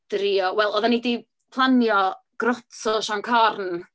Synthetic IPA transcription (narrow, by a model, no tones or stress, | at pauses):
d̥ɾiɔwɛlˠɔðanidi | pʰlˠanjɔ | ɡ̥rɔtʰɔʃankʰarn